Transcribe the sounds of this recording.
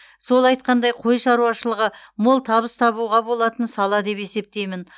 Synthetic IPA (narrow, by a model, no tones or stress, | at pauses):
so̞lˠɑjt̪̚qɑnd̪ɑjqʰo̞jʃɑɾuɑʃəlˠəʁəmolˠt̪ʰɑβəst̪ʰɑβuʁɑbo̞lˠɑt̪ənsɑlˠɑd̪e̞pe̞se̞p̚t̪e̞jmɪn